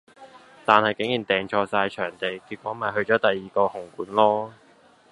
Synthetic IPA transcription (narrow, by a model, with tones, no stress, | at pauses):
t̪aː˨nhɐ˨jkɪ˨˥ŋjiː˨˩nt̪ɛː˨˩ŋt͡ʃʰɔː˧saː˧jt͡ʃʰœː˨˩ŋt̪e˨jkiː˧t̚kʷːwɔː˨˥maː˨jɦɵ˧ɥt͡ʃɔː˨˥t̪ɐ˨jːiː˨kɔː˧hʊ˨˩ŋkuː˨˥nlɔː˥